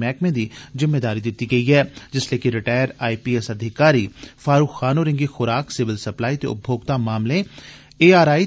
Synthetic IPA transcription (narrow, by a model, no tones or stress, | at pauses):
mɛːkmẽːd̪iːzɪmːeːd̪aːɾiːd̪ɪt̪ːiːɡəiːɦɛːd͡ʒɪsleːkɪɾɪʈaːɪəɾaːipiːɛsəd̪ʱɪkaːɾiːfʰaːɾuːkxaːnoːɾɪ̃ŋɡixʊɾaːksɪʋɪlsəplaːiːt̪ḛʊ̰p̚bʱoːɡt̪aːmaːmlẽː | eːaːɾaːiː